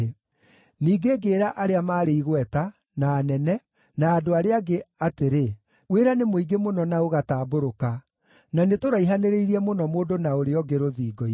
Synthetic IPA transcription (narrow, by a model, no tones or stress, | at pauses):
niːɡeːɡeːɾaʔaɾeamaːɾeiɣwɛta | naːnɛnɛ | naːdoaɾeaɡeateɾe | weɾanemoiɡemonɔnaoɣataːboɾoka | nanetoɾaiɦaneɾeiɾiɛmonɔmoːdonaoɾeɔɡeɾoðiːɡɔi